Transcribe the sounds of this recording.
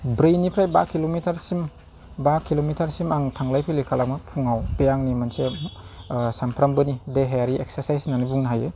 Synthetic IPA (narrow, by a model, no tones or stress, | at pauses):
bɾɯjnipʰɾajbakilomitʰaɾsim | bakilomitʰaɾsimaŋtʰaŋlajpʰilikʰalamɯpʰuŋawpejaŋnimanse | sampʰɾambɯnideɦejaɾiek̚saɾsajsnanibuŋnaɦajɯ